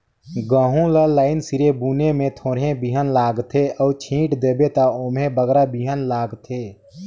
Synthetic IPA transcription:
ɡəːɦũləlaːɪnsiɾebuːnemẽt̪ʰoːɾɦẽbiɦənlaːɡt̪ʰeʔəːt͡ʃʰĩːʈd̪eːbet̪aoːmẽbəɡɾabiɦənlaːɡt̪ʰeː

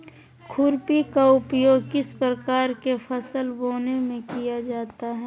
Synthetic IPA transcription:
kʰʊɾpikaʊpjoːɡkɪspɾəkaːɾkefʰɐsəlboːnemẽkijad͡ʒaːt̪aɦɛː

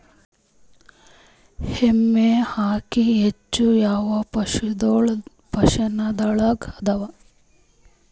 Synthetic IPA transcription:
hemːeːhaːkiet͡ʃːujaːʋɐpʂud̪oɭ | pɐʂɐnɐd̪ɐɭɐɡɐd̪ɐʋɐ

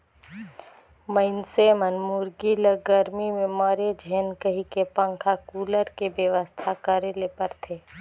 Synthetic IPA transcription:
məɪnseːmənmʊɾɡiləɡəɾmimẽmɔːɾed͡ʒʱeːnkəɦikepə̃ŋkʰakuːləɾkebjəʋəst̪ʰakəɾelepəɾt̪ʰeː

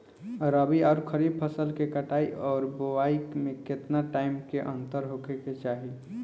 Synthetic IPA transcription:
ɾəbiɔʊɾkʰəɾib̚pʰəsəlkekəʈaiʔɔːɾboʋaikmẽket̪naʈaɪmkeʔə̃nt̪əɾɦokeket͡ʃaːɦi

